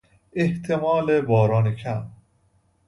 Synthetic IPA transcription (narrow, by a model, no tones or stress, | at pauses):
eht̪ʰemɒːlebɒːɾɒːnekʰæm